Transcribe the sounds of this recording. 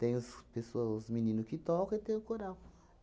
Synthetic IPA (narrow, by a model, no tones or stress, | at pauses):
t̪ẽj̃ʊspesoɐzminĩnʊkɪt̪ɔkɐ̃ɪt̪ẽj̃ʊkoɾaw